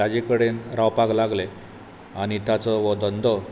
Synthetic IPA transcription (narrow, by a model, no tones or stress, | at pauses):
ad͡ʑekəɽenɾawpaɡlaɡle | aɽ̃it̪at͡sɔʋɔd̪ənd̪ʱɔ